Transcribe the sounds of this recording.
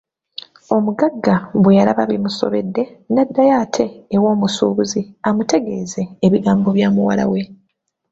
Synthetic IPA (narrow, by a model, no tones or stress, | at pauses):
o̞muɡaɡːaβwejalaβaβimuso̰βe̞̰dːe̞nadːajaːtʰe̞ːwo̞ːmusṵːβuziamute̞ɡe̞ːze̞ːβiɡaːmbo̞βjaːmuwala̰we̞